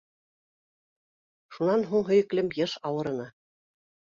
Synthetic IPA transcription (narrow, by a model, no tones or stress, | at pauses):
ʃunɑnɦuɴɦɵ̆jɘ̆klɘmjɤʃɑwɤ̆ɾɤ̆nɤ